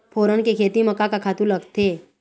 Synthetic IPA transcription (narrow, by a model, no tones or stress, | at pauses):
pʰoːɾənkekʰeːt̪imɐkakakʰaːt̪ũlɐɡt̪eː